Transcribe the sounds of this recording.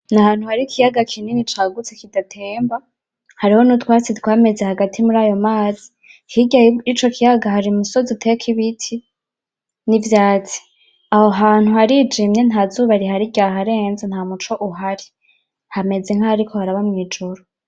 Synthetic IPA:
nahaːn̥uhaɾikʰijaɡakʰininit͡ʃaːɡut͡sekidatʰe̞ːmba | haɾiho̞nutwaːt͡sitwaːme̞zehaɡatʰimuɾaːjo̞maːzi̥ | hiɟait͡ʃo̞kʰijaɡahaɾimuso̞zitʰekʰiβitʰi | nivjaːt͡si̥ | ahoɦaːn̥huhaɾid͡ʒiːmɲenɦaːzuːβaɾiɦaɾiɟaɦaɾe̞ːnzenhaːmut͡ʃo̞ʔuɦaɾi | hame̞ze̞ŋ̥aːɾikʰohaɾaβamŋiːd͡ʒoɾo

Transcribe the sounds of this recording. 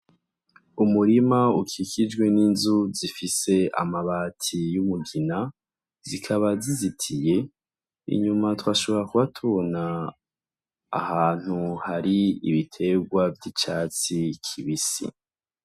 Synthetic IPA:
umuɾimaukikʰid͡ʒɡwe̞niːnzuzifise̞a̰maβaːtʰijumuɡina | zikʰaβazizitʰije̞ | ḭɲumatwaːʃo̞βo̞ɾakuβatʰuβona | haːn̥huhaɾiḭβitʰe̞ɡwavjit͡ʃaːt͡sikʰiβisḭ

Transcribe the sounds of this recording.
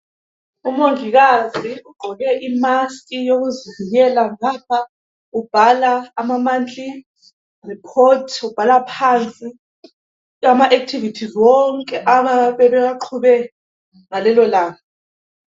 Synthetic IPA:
umoŋʱiɣaziuɡ̥ʱɔɣɛʔimaskʼijoɣuziviɲɛlaŋap̚ʰa | ub̥ʱalaːmamand͡ɮʼi | ripʰɔtʰub̥ʱalapʰant͡sʼi | amaʔek̚tʰivitʰizwɔŋkʼɛʔaβaβɛβɛjaǃʰuβɛ | ŋalɛlɔlaːŋɔ

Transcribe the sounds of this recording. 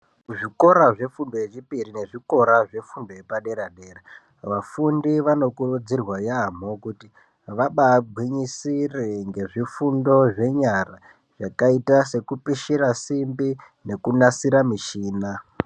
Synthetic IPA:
ʐiko̞ɾaʐe̞fundo̞jeʐipiɾine̞ʐiko̞ɾaʐe̞fundojepaɗe̞ɾaɗe̞ːra | ʋafundiʋano̞kurud͡zirwajam̤o̞kuti | ʋaɓaːbʱwiɲisireŋɡe̞ʐifundo̞ʐe̞ɲara | ʐ̥akaitase̞kupiʃiɾasimbi | ne̞kunasiɾamiʃiːna

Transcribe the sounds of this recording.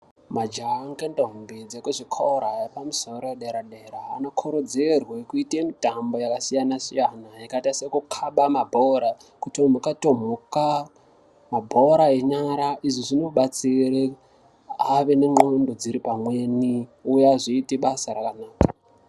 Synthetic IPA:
mad͡ʒaŋɡendombid͡zekuʐikʰoɾaepamuso̞ɾojeɗeɾaɗeɾaːno̞kʰuɾod͡zerwekuitemitambo̞jakasijanasijanaikaitasekukʰaɓamabʱoɾa | kutom̤ukatom̤uka | mabʱo̞ɾaeɲaɾaʔiʐiʐinoɓat͡siɾe | aʋe̞neŋ͡ǃondod͡ziɾipamweniujaʐiːteɓasaɾakanaːkḁ

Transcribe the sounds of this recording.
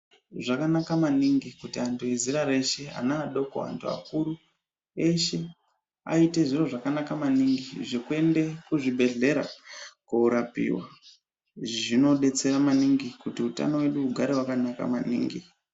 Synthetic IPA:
ʐakanakamaniŋɡikutiantʰueziɾaɾe̞ʃe̞a̰naːɗo̞ko̰ɦa̰ntʰua̰kuɾu | e̞ʃe̞ | a̰ite̞ʐiro̞ʐakanakamaniŋɡiʐikue̞nde̞kuʐibʱe̞ɮe̞ɾa̰kuuɾapḭwa̰ | ʐino̞ɗe̞t͡se̞ɾamaniŋɡikutiuta̰no̞we̞ɗuːɡʱaɾewakanaka̰manḭːŋɡḭ

